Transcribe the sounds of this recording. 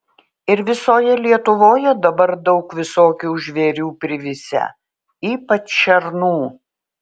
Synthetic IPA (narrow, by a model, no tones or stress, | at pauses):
ɪɾʋʲɪsoːjɛlʲiɛt̪ʊʋoːjɛd̪ɐbɐɾd̪ɐʊkʋʲɪsoːkʲuːʒʲʋʲeːɾʲuːpʲɾʲɪʋʲɪsʲɛ̰ | iːpɐt͡ʃʃʲɛɾnuː